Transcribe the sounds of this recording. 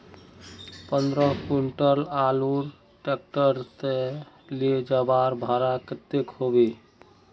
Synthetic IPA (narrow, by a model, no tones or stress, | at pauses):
pənd̪ɾəɦkuɳʈəlaluɾ | ʈek̚ʈəɾt̪e | lied͡ʒabaɾbʱaɾakət̪ːekhobe